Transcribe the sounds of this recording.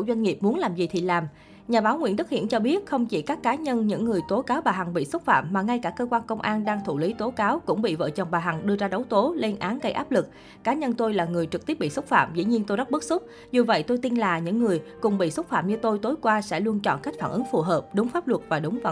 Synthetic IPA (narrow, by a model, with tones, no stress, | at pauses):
zwa˧ŋ̟ŋi˨˩əp̚mu˨˦ənlaː˨˩mzi˨˩t̪ʰi˨˩laː˨˩m | ɲaː˨˩ɓaː˨˦wŋḭ˧əntɗɨ˦˥k̚hḭ˧ənt͡ɕɔ˧ɓi˦˥ət̚xə˧wŋ͡mt͡ɕḭ˧˩kaː˦˥kːaː˨˦ɲə˧nɲɨ̰˧˥ŋːɨ˨˩əjt̪o˨˦kaː˨˦wɓaː˨˩ɦa˨˩ŋɓḭ˧˨sə˦˥t̚fa̰ː˧˨mːaː˨˩ŋa˧jkaː˧˩kəː˧kwaː˧nkə˧wŋ͡mʔaː˧nɗaː˧ŋt̪ʰu˧˩li˨˦t̪o˨˦kaː˨˦wkʊ̰˧˥ŋ͡mɓḭ˧˨və̰ː˧˨t͡ɕə˨˩ŋ͡mɓaː˨˩ɦa˨˩ŋɗɨ˧əzaː˧ɗə˨˦wt̪o˨˦le˧nʔaː˨˦nɣə˧jʔaː˦˥p̚lɨ˨˩k̚ː | aː˨˦ɲə˧nt̪o˧jlaː˨˩ŋɨ˨˩əjt͡ɕɨ˨˩k̚t̪i˦˥p̚ɓḭ˧˨swə˦˥t̚fa̰ː˧˨mzḭ˧˥ɲi˧ənt̪o˧jɗt̚ɓɨ˦˥t̚sʊ˦˥k͡p̚ | zu˨˩və̰˧˨jt̪o˧jt̪i˧nlaː˨˩ɲɨ̰˧˥ŋːɨ˨˩əjkʊ˨˩ŋ͡mɓḭ˧˨swə˦˥t̚faː˧˨mɲɨ˧t̪o˧jt̪o˨˦jkwaː˧sɛ̰˧˥lu˧ənt͡ɕɔ̰˧˨nka˦˥k̟faː˧˩ʔɨ˨˦ŋfu˨˩ɦəː˨˩p̚ɗʊ˨˦wŋ͡mfaː˦˥p̚lwə˨˩t̚vaː˨˩ɗʊ˨˦ŋ͡m